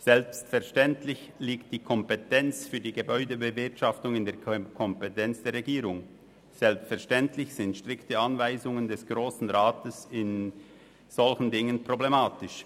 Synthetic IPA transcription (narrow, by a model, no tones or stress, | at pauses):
z̥ɛlpstfɛɐʃtɛntlɪçliːkt̚d̥iːkʰɔmpetɛnt͡sfyːɐdiːɡebɔʏdəbəvɪɐtʃaftʊŋɪndeːɐkʰɔmpetɛnt͡sd̥eːɐɾʁeɡiːɾʊŋ | z̥ɛlpstfɛɐʃtɛntlɪçsɪntʃtʁɪktəanvaɪzʊŋəndɛsɡ̥ʁoːsn̩ʁaːtəsɪn | z̥ɔlçn̩dɪŋənpʁ̥oblemaːtɪʃ